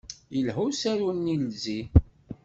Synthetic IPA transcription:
jəlɦusæɾunːilzi

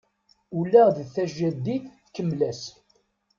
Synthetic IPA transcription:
ulːæðəθæʒæd̪ːiθ | kːəmːlæs

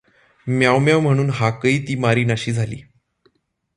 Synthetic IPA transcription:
mjawmjawm̤əɽ̃uːnɦakəiːt̪iːmaɾiːnaɕiːd͡zʱalḭː

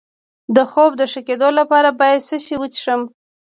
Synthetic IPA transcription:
d̪əxob̚d̪əʂəked̪olapɑɾabɑjad̪səʃiwət͡ʃʂəm

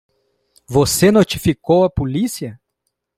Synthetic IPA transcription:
vosenot͡ʃifikowɐpulisiɐ

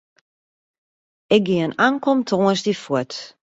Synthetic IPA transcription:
ɛk̚ɡiənaŋkɔmtʰõːəsdifut

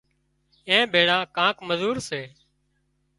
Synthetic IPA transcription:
ẽːbʱeːɽãːkãːkməzuːɾseː

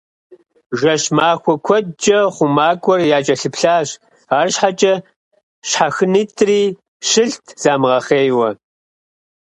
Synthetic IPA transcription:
ʒʷɐʃmaːxʷɔkʷʰɔdd͡ʒʼɐχʷʊmaːkʷʼɔrjaːt͡ʃʼɐɬɨpʰɬaːɕ | aːrɕħat͡ʃʼɐ | ɕħaxɨniːtʰʼriː | ʃɨɬtʰz̥aːmʁɐχeːjwɐ

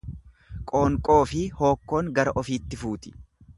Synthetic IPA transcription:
kʼo̞ːŋkʼo̞ːfɪho̞ːkːo̞ːŋɡɐɾɐʔɔfiːt̪ːɪfuːt̪ɪ̥

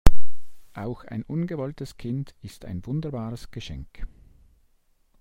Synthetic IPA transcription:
ʔaʊxa̰ɪnʔʊnɡəvɔltəskʰɪndɪsta̰ɪnvʊndəʁbaːʁəsɡ̥əʃɛŋk

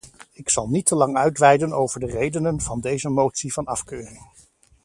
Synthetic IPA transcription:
ɪksɑlˠnitəlɑŋœɥtʋɛjdənowvəɹdərejdənənv̥ɑndejzəmowtsiv̥ɑnɑfkøːrɪŋ

